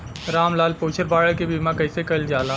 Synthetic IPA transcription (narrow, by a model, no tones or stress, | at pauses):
ɾaːmlaːlpoːt͡ʃʰəɾbaːɽəkebiːmãkɐɪsekɐld͡ʒaːlaː